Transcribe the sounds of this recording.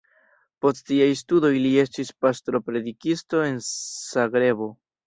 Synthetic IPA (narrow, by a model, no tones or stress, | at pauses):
po̞sttiajstudo̞jlie̞stispastɾo̞pɾe̞dikisto̞e̞nsaɡɾe̞bo̞